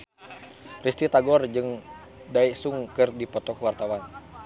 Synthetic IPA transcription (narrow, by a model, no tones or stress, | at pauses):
rist̪it̪aɡɔrd͡ʒɨŋ | daisuŋkɨrdipɔt̪ɔkwart̪awan